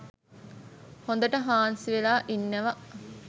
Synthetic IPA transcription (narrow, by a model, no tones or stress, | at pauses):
hõnd̪əʈəɦaːnsiʋelaːʔinːəʋa